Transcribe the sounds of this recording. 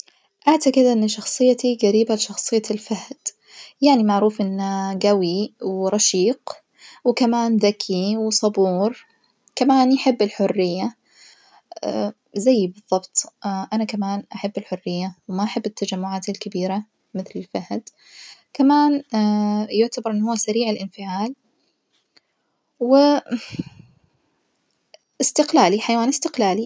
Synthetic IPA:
ʔaʕt̪aqɪd̪ʔɪnːʃɑxsˤɨjːat̪iɡaɾiːbalɪʃɑxsˤɨjːalfahd̪̥ | jaʕnimaʕɾuːfʔɪnːaɡawiwɾˤɑʃiːq | wɪkamaːnðakʰiwsˤɑbuːɾ | kamaːnjaħɪbːɪlħʊrːɪjːa | zajːbɨðˤːɑbt̪ˤʔanakamaːnʔaħabːɪlħʊrːɪjːawmaʔaħɪbːɪt̪ːad͡ʒamːʊʕaːt̪alkabiːɾa | mɪθlɪlfahd̪ | kamaːn | jʊʕt̪abɑɾˤʔɪnːhʊwːsaɾiːʕɪlʔɪnfɪʕaːl | wɪ | ʔɪst̪ɪqlaːliħajwaːnɪst̪ɪqlaːli

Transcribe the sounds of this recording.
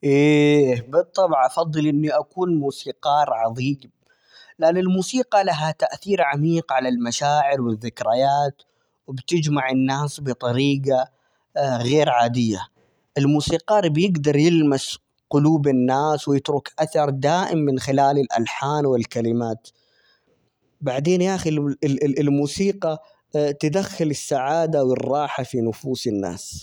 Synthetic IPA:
ʔeːbɨt̪ˤːɑbʕʔɑfɑðˤːɨlʔɪnːiʔakuːnmuːsiːqɑːɾʕɑðˤiːm | laʔnːɪlmuːsiːqɑlaɦat̪aʔθiːɾʕamiːqʕalalmaʃaːʕɪɾwɪðːɪkɾajaːt̪ | wɪbt̪ɪd͡ʒmaʕɪnːaːsbɨt̪ˤɑɾiːɡa | ɣeːɾʕaːd̪ɪjːa | ʔɪlmuːsiːqɑːɾbjɪɡd̪ɑɾˤjɪlmas | qʊluːbɪnːaːswjɪt̪ɾʊkʔaθɑɾˤd̪aːʔɪmːɪnxɪlaːlɪlʔa̰lħaːnwɪlkalɪmaːt̪ | baʕd̪eːnjaːxilɪlmuːsiːqɑ | t̪ad̪axːɪlɪsːaʕaːd̪awɪrˤːɑːħafinʊfuːsɪnːa̰ːs

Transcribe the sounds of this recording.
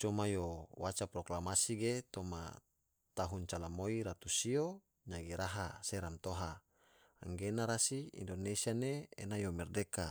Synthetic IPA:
t͡ʃomajowat͡ʃapɾoklamasiɡet̪oma̰ | t̪aɦunt͡ʃalamoiɾat̪usio | ɲaɡiɾaɦa̰seɾant̪oɦaː | ŋɡenaɾasiḭndonesianeḛnajomɛrdeka

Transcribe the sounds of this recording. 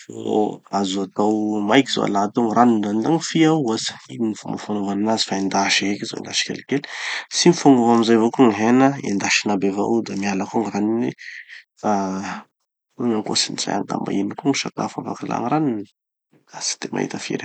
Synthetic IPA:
oazoat̪awmajkizo̰a̰lat̪oŋiraninzand̪aŋifiawasiinifambafanovaninazi̥faend̪aʃiɦekizo̰ḛnd̪aʃi̥kʲḛlikeli̥simifaŋovamizajvokuŋiɦenəend̪aʃinabeva̰ud̪amialakoŋiraninifa | ŋaŋko̰siniza̰ja̰nt̪a̰mba̰inikuŋiʃat̪a̰fa̰va̰kala̰ŋiɾanini | asi̥t̪emʔa̰ɦḭt̪əfḭɾe

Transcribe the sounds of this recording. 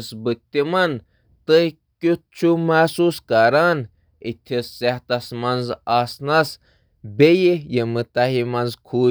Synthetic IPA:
sbɨt̪ːimɐn | t̪ɨj | kʲut͡ʃʰumaːsuːskɐɾaːn | it̪ʲʰisːeht̪ɐsmɐnzasnɐs | bejijemɨt̪ɐɦimɐnzkʰuː

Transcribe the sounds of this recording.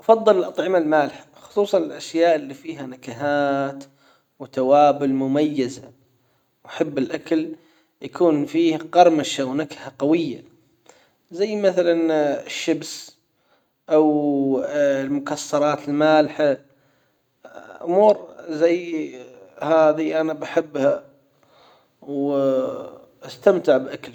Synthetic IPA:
ʔɑfɑðˤːɨlɪlʔɑt̪ˤʕɪmalmaːlħḁxʊ̥sˤuːsˤɑnɪlʔaʃjaːʔɪlːiːfiːɦanakaɦaːt̪ | wt̪awaːbʊlmʊmajːaza̰ | wħɪbːɪlʔakal | jakuːnfiːhqɑɾˤmaʃawnakahaqɑwɪjːa | zajːmaθalanɪʃːabs | ʔaw | lmʊkɑsˤːɑɾˤɑːt̪ɪlmaːlħa | ʔʊ̰muːɾzajː | haːðiʔanabaħɪbːha | w | ʔast̪amt̪ɪʕbʔakl

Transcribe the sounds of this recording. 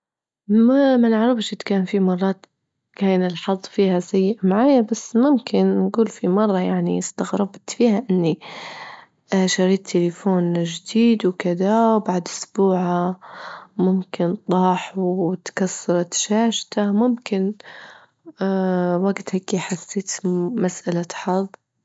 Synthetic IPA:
mamanɪʕɾˤɑfʃʔɪt̪kaːnfimɑrˤːɑːt̪ | kaːnɪlħɑðˤːfiːhasajːɪʔmaʕaːjabasːmʊmkʰɪnːɡuːlfimɑrˤːɑjaʕnḭɪst̪aɣɾɑbt̪fiːhaʔɪnːi | ʃɑɾiːt̪ʰːɪlɪfoːnʒd̪iːd̪wkɪd̪awbaʕd̪ʔʊsbuːʕa | mʊmkɪnt̪ˤɑːħwt̪kasːɑɾˤɑt̪ʃaːʃt̪amʊmkɪn | waɡt̪haːkiħasːeːt̪masʔalaħɑðˤː

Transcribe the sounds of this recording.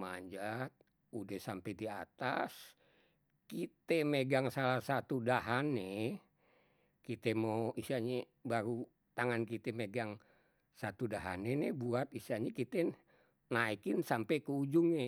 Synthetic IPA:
ma̰ɲd͡ʒat̪̚ | udɛhsampɛdia̰t̪a̰s | kit̪ɛmeɡaŋsalahsat̪udaɦane | kit̪ɛmoisiaɲe | baɾu | t̪aŋankit̪ɛmeɡaŋ | sat̪udaɦa̰nenɛbuat̪̚isiaɲɛkit̪ɛ | naikɪnsampɛkəud͡ʒuŋɛ

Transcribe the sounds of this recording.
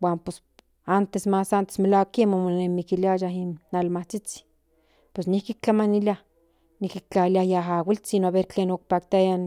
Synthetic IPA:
waːmpes | ant̪esmasant̪e̥smelawakːemomonemikiliajaɦinːalmaht͡sit͡si̥ | pwesnihkik̚t͡ɬamaniliah | nihkik̚t͡ɬaliajaɦawilt͡sinoaβeɾt͡ɬeːnok̚pakt̪ajan

